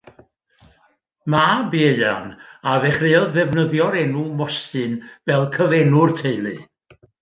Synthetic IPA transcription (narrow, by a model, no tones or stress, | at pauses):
mabeɨa̰naðɛχreːɔðɛvnəðjɔɾɛnumɔstɨnv̥ɛlˠkʰəvɛnʊrtʰeɨlˠɨ̰